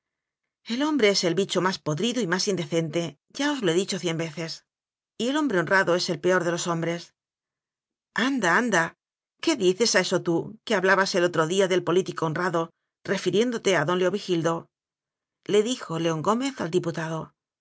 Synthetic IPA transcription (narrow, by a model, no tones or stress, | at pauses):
e̞lo̞mbɾe̞e̞se̞lβit͡ʃo̞maspo̞ðɾiðoimasind̪e̞θe̞nt̪e̞ | ɟ͡ʝao̞zloe̞ðit͡ʃo̞θje̞mbe̞θe̞s | ie̞lo̞mbɾe̞onraðo̞e̞se̞lpe̞o̞ɾðe̞lo̞so̞mbɾe̞s | and̪aand̪a | ke̞ðiθe̞sae̞so̞t̪ukeaβlaβase̞lot̪ɾo̞ðiaðe̞lpo̞lit̪ikoːnraðo̞ | re̞fiɾje̞nd̪o̞t̪e̞aðo̞nleo̞βixild̪o̞ | le̞ðixo̞le̞o̞ŋɡo̞me̞θa̰ld̪iput̪aðo̞